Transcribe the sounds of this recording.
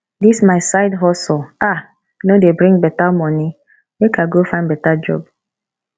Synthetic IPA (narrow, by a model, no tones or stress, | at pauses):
dismaɪsaɪdɦɔsl̩a | nodebɾĩŋbɛtamɔni | ekʰaɡofãɪ̃nbɛtad͡ʒɔ̰b